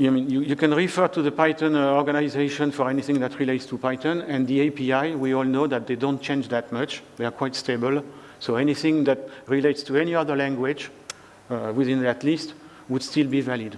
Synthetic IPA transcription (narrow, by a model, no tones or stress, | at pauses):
amĩnjujukɛ̃nɹifə˞t̪uðəpajtə̃nɔɹɡanaizeʃɔ̃nfɔɹɛniθɪ̃ŋðætʰɹileɪtstupajtə̃nɛ̃nðiepiajwiɔlˠnoðæt̪̚ðedɔ̃nt̚t͡ʃẽnd͡ʒðæt̚mʌt͡ʃðekʰw̥ajtstebəl | soɛniθɪ̃ŋðæt̚ɹileɪtstuɛniʌðə˞lɛ̃ŋɡwɪd͡ʒ | wiðĩnðætlist | wud̥stilbivalid